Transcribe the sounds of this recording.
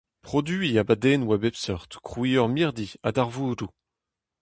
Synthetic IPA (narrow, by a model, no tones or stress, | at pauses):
pχɔd̪ɥyiabad̪eːnwabɛpsɔʁt̪kχwiːɔʁmiʁd̪ia̰d̪aʁvuːdu